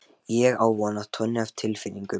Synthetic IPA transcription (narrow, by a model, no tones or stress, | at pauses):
jɛɣawvɔːnḁt̪ʰɔnːɪavt̪ʰɪlfɪnːiŋkʏ